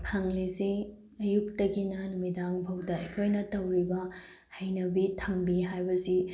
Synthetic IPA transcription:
pʰaŋlisi | ɐjuk̚tɐɡinɐnumidaŋpʰɐwdɐɐkʰojnɐtɐwɾibɐ | hɐjnɐbitʰɐmbiɦajbɐsi

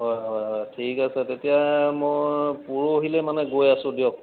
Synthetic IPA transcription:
ɦɔjɦɔjɦɔjtʰikasɛtetijamojpuɹoːɦilɛmanɛɡojasʊ̃dijɔk̚

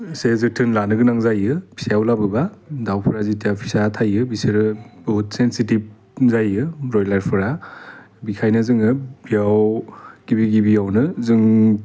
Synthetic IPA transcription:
sezɯtʰɯnlanɯɡɯnaŋzajɯbʰi̥seawlabɯbadawpʰɯɾazitijapʰi̥satʰajɯbiseɾɯbɔut̚sensitib̚ | zajɯɾɔjlaɾpʰɯɾa | bikʰajnɯzɯŋɯbijawɡ̥ibiɡibijawnɯzɯŋ

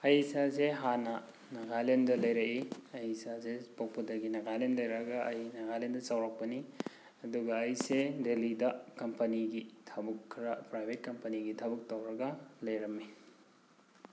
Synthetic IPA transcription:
ɐjsazeɦanɐ | nɐɡajlendɐlɐjɾɐkiɐjsazepaw̚pudɐɡinɐɡajlenlɐjɾɐɡɐɐjnɐɡajlendɐsawɾak̚pɐni | ɐduɡɐːjsedelidɐkɐmpɐniɡitʰɐbɐkʰːɾɐpɾajbʱet̚kɐmpɐniɡitʰɐbɐk̚tɐwɾɐɡɐlɐjɾɐmːi

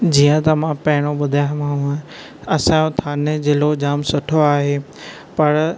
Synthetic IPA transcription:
d͡ʑiːə̃t̪ɐmãpɐɦɪɽ̃oɓʊd̪ʱamãɦũ | ɐsãjõt̪ʰaːnezɪlod͡ʑaːmsʊʈʰoaːɦeː | pɐɾ

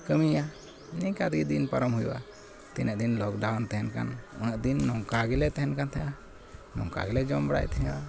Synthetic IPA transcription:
kəmija | nikad̪ɡid̪inpaɾɔmhujṵwa̰ | t̪inəʔd̪inlɔkdawant̪ɛɦɛnka̰nɔnəʔd̪inːɔŋkaɡɛlɛt̪ɛɦɛnkant̪ʰɛja | nɔ̰ŋka̰ɡɛlɛd͡ʒɔmbɽa̰jt̪ɛɦɛ̃a

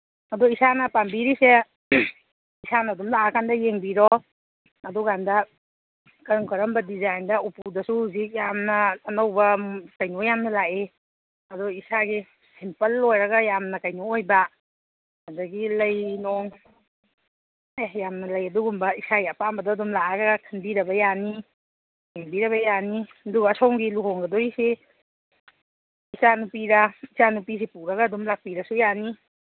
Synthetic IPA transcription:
ɐduisanɐpambiɾise | isanɐːdumlaakʰandɐjeŋbiɾɔ | ɐduɡandɐ | kɐŋkʰɐɾɐmbɐdizajndɐupudɐsuhuzik̚jamnɐːnɐwbɐkɐjnojamnɐlaʔe | ɐduisaɡi | simpɐlːojɾɐɡɐjamnɐkajnuojba | hadaɡilɐjnɔŋ | ejamnɐlɐjɐduɡumbɐisaɡiɐpambɐdɔɐdumlaaɾɐɡakʰanbiɾɐbɐjani | kenbiɾɐβɐjani | ɐduɡaːsɔwŋɡiluɦɔŋɡɐdojise | isanupiɾaisanupis̬epuɾɐɡaːdumlak̚piɾɐsujani

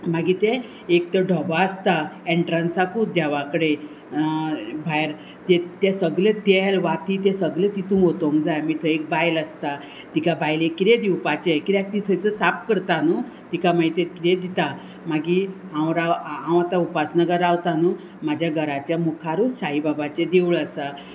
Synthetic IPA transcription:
maɡit̪ẽ | ek̚t̪əɖʱəbaəst̪aeɳʈɾansakud̪aʋakɽe | bʱajɾ | t̪et̪ɛsəɡlet̪elʋat̪it̪ɛsəɡlet̪it̪ũɦot̪oŋd͡zajmiːt̪ʰəek̚bajləst̪a | t̪ikabajlekiɾed̪iwpat͡ɕekiɾjak̚t̪it̪ʰəjt͡səsap̚kəɾt̪anu | t̪ikamait̪eɾkiɾed̪it̪a | maɡiɦãwɾawɦãw̃at̪aupasnəɡəɾawt̪anu | mad͡ʑʱjaɡʱəɾat͡ɕjamukʰaɾusaibabat͡ɕed̪euləsa

